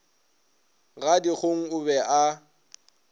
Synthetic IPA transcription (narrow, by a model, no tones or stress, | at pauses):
ɣadiχoŋ̩ʊbɛʔa